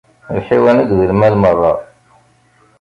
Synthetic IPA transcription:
ħiwænəɡðəlmælmərˤːɑ̰

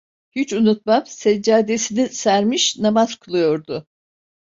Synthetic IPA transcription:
hyt͡ʃunut̪̚mamsɛd͡ʒaːd̪e̞sinisæɾmiʃnamaz̥kʰulˠujo̞ɾd̪ʊ

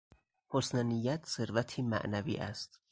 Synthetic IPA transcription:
hosnænijːæt̪ʰse̞ɾvæt̪ʰiːmæ̰ʔnævḭːʔæst̪

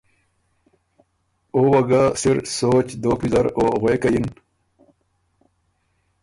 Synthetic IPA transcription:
oːwɐɡasiɾsoːt͡ɕd̪oːpizɐɾoːɣwekajin

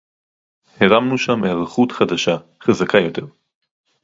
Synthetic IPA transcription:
heʁamnuʃamehʁaχutχad̪aʃa | χazakʰajo̞t̪e̞ʁ

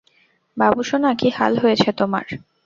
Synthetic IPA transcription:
babuʃonakiha̰lɦojet͡ɕʰet̪oma̰ɾ

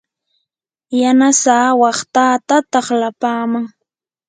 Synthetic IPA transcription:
janasaːwɑχt̪aːt̪at̪ɑχlapaːmaŋ

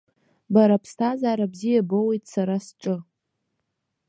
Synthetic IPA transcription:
baɾapʰstʰazaːɾabzijabowejtʼsaɾasʈ͡ʂʼɨ

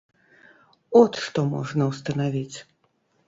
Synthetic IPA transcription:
ɔt̪ʂt̪ɔmɔ̰ʐnɐwst̪ɐnavʲit͡sʲ

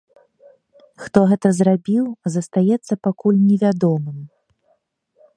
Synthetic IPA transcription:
xt̪ɔɣɛt̪ɐzrabʲiwzɐst̪ajɛt̪sːɐpakulʲnʲɛvʲad̪ɔmɨm

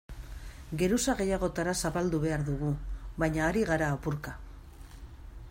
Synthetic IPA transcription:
ɡe̞ɾusaɣe̞jaɣ̞o̞t̪aɾasaβald̪uβe̞aɾðuɣ̞uβajɲaːɾiɣaɾaːpuɾka

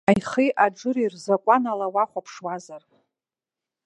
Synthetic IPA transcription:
ajχiʔaʈ͡ʂʼɨɾirzakʷʼanalawaχʷapʰʂwazar

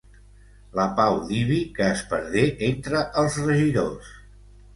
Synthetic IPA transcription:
ləpawðiβikəːspəɾðeʔent̪ɾəʔəlˠzrəʒiðos

